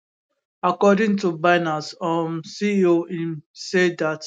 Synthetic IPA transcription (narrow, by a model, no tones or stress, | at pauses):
akɔdɪ̃ŋtubaɪnasɔmsioĩnsedat